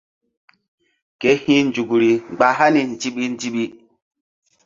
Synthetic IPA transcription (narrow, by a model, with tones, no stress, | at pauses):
ke˨˦hĩ˦nd͡ʒu˨ɡu˨ɾi˨ŋ͡mɡ͡ba˨ɦa˦ni˨nd͡ʒi˦ɓi˦n˦d͡ʒi˦ɓi˦